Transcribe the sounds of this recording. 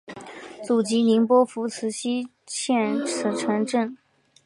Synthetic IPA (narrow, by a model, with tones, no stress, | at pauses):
t͡su˨˩t͡ɕi˧˥ni˧˥ŋpwɔ˥fu˧˥t͡sʰɹ̩˧˥ɕi˥ | ɕʰjɛ˥˩nt͡sʰɹ̩˧˩ʈ͡ʂʰə˧˥nʈ͡ʂə˥˩n